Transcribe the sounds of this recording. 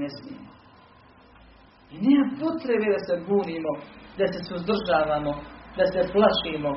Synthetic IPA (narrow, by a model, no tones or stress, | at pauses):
esmimo | iniːmapo̞t̪ɾebed̪ase̞buːniːmod̪ase̞suzd̪r̩ʒaːʋaːmod̪aseplˠaʃiːmo